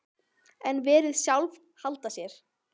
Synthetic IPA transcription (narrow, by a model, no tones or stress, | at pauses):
ɛnvɛːɾɪðsjawlv | halt̪asjɛɾ̥